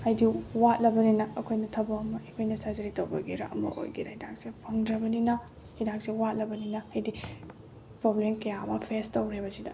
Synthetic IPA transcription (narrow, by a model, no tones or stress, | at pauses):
hajdiwat̚lɐbɐninɐːkʰojnɐtʰɐbɐːmɐekʰojnɐsazɐɾitɐwbɐɡiɾɐ̰ɐ̰mɐ̰ʔo̰jɡidɐhidak̚sepʰɐŋdɾɐbɐninɐ | hidak̚sewat̚lɐbɐninɐhajdi | pɾoblemkɐjaɐmɐpʰestɐwɾebɐsidɐ̰